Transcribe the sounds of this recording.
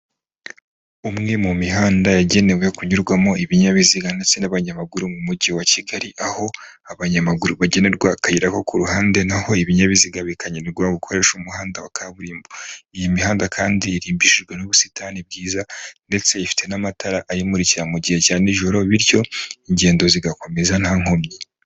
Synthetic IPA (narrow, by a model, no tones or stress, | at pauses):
umŋe̞mumiɦaːndajaɟe̞ne̞we̞kuɲuɾɡwamo̞iβiɲaβiziɡande̞t͡se̞naβaɲamaɡuɾumumuɟiwaciɡaɾiʔaho̞ | aβaɲamaɡuɾuβaɟe̞ne̞ɾɡwakajiɾako̞kuɾuɦaːnde̞naho̞iβiɲaβiziɡaβikaɲeniɾɡwaβukʰo̞ɾe̞ʃumuhaːndawakʰaβuɾiːmboijimihaːndakʰaːndiːɾiːmbiʃiʒɡwe̞nuβusi̥taːnib̚ɡiːzande̞t͡se̞ifi̥tʰe̞namataɾaʔajimuɾiciɾamuɟihecaːniʒo̞ɾo̞βiɾjo̞iɲɟe̞ːndo̞ziɡako̞me̞zan̥haːŋ̥omɲi